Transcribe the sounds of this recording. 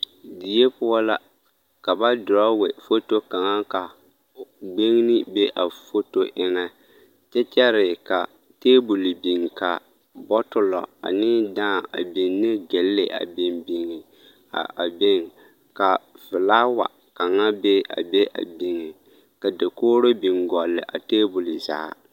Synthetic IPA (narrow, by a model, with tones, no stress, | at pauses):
di˨je˦pʊ˦ɔ˦la˦ | ka˨ba˦dʊ˨ɾa˦wɛ˨fo˦to˦ka˨ŋa˦ka˨˦ | ɡ͡be˦ŋ˦nɪ˦be˦ʔa˨fo˦to˦ʔɪ˦ŋɛ˦ | t͡ʃɛ˦t͡ʃɛ˦ɾɪ˨ka˨ | teː˦bu˨li˨bi˨ŋ˨ka˨ | bɔ˦tʊ˦lɔ̰˨a̰˨nɪ˦dãː˦˨a̰˨bi˨n˦nɪ˦ɡe˨lːe˨ʔa̰˨bi˨mbi˨ŋi˨ | a̰˨be˦ŋ˨ | ka˨vɪ˨laː˦wa̰˨ | ka˨ŋa˦be˦a̰˨be˦ʔa̰˨bi˨ŋɪ˨ | ka˨de˨koː˦ɾo˦bi˨ŋɡɔ˨lːɪ̰˨ʔa̰˨teː˦bu˨li˨za̰ː˨˦˨